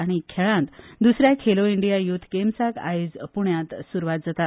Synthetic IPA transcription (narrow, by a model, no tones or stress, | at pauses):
aɽ̃ikʰeɭãnt̪d̪usɾjakʰeloiɳɖijajut̪ʰːkemsaka̰jid͡zpuɳjãt̪suɾʋat̪̚d͡zat̪at̪